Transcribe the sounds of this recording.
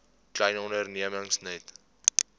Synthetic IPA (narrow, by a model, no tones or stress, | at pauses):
klɛjnɔndərniəməŋsnət